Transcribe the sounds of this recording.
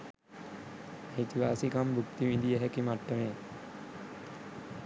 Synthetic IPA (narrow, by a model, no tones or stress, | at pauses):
ɦit̪iʋaːsikambʱukt̪iʋid̪ijəɦɛkimaʈːəmeː